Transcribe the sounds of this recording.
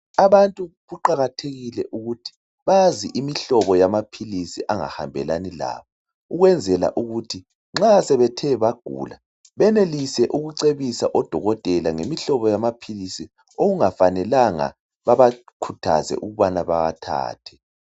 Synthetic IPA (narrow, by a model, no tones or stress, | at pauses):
aβantʼuɣuǃaɣatʰeɣilɛʔuɣutʰi̥ | βaziʔimiɬɔβɔjamapʰilisiʔaŋa̰ha̰mbʱɛ̰lanila̰ːβɔ | uɣwɛnd͡zʱɛla̰ʔuɣutʰi | ŋ͡ǁasɛβɛtʰɛβaɡ̥ʱṵːla | βɛnelisɛʔuɣuǀeβisaʔɔd̥ʱɔɣɔtʼɛlaŋemiɬɔβɔjamapʰilisi | oɣuŋafanɛlaŋa̰ | βaβakʰutʰa̰zɛ̰ʔuɣuβanaβaɣa̰tʰa̰ːtʰɛ̥